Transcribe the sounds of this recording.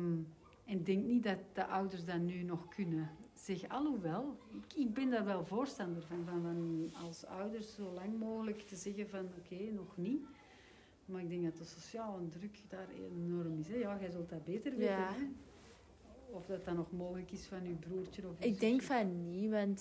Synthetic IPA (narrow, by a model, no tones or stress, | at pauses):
m | ɛnɪdɛŋknit̚dɑt̚d̥əʔœwdərsdanynɔxkʰʏnəz̥ɛxɑ̰lˠuʋɛlˠɪkɪɡ̚bɛndaːrʋɛlˠvoːrstɑndərvɑnvɑnvɑnɑ̰lˠsœ̰wdərszoːlaŋmoːɣələktəzɛɣəvɑnokʰeːnɔxni | maːɪɡ̚dɛŋɡdɑtəsosjaːlˠəndrʏkdaːrḛnɔrəmɪsɛjaːɣɛjzɵlˠtdabeːtərʋetə | ɔfdɑtɑnɔxmoːɣələkɪsfɑnybruːrtənɔfɪɡdɛŋkfɑnːimɑnt